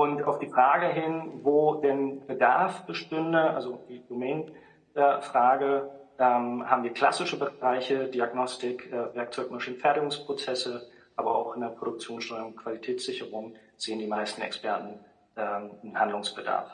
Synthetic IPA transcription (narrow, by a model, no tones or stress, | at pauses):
ʔʊntʔa̰ʊfd̥iːfʁ̥aːɡəɦɪnvoːdɛnb̥ədaɐfb̥əʃtɪndəʔalzod̥iːdomɛːn | ʔɛfʁ̥aːɡəʔɛːmha̰ːbmviːɐkʰl̥a̰sɪʃəbəʁaɪçədiːaɡnɔstɪkʔɛvɛɐk̚t͡sɔʏkmaʃiːn̩fɛɐtɪɡʊŋspʁ̥ot͡sɛsə | ʔaːbɐa̰ʊxɪndeːɐpʁ̥oɾʊk̚t͡sjoːnsʃtɔʏʊŋkʰv̥alitʰɛːt͡sz̥ɪçəʁʊŋ | z̥eːəndiːmaɪstn̩ɛ̰kspʰɛɐtn̩ | ʔɛːmnhandlʊŋsb̥əda̰ɐf